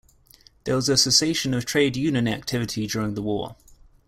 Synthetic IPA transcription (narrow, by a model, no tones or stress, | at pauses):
ðəwəzəsɪseɪʃə̃nəv̥tʰɹ̥eɪdjʉːnjə̃na̰k̚tʰɪvɪtʰid͡ʒɔːɹɪ̃ŋðəwɔ̰ː